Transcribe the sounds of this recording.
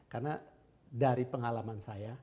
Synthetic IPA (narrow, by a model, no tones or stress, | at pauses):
karna | daɾipəŋalamansaja